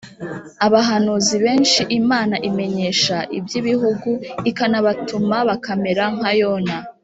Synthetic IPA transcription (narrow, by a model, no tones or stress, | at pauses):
aβaɦanuːziβe̞ːnʃiʔimaːnaʔime̞ɲe̞ːʃaʔibjiβiɦuɡuikanaβatumaβakame̞ɾaŋ̥hajoːna